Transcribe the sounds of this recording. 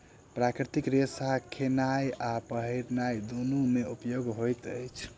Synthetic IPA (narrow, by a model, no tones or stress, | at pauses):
pɾakɾit̪ikɾesakʰenajapəɦiɾnajd̪onumeupjoɡɦojt̪əjt͡ʃʰ